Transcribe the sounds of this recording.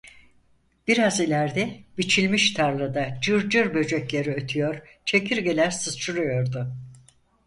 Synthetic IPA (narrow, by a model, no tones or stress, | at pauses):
b̥iɾazilʲæɾd̪ɛbit͡ʃʰilʲmiʃt̪ʰaɾlˠɯd̪ad͡ʒɯɾd͡ʒɯɾbø̞d͡ʒøclʲe̞ɾiøt̪ʰyjoɾ̥ | t͡ʃʰe̞kʰiɾɡe̞lʲæɾsɯzt͡ʃʰɯɾujo̞ɾd̪ʊ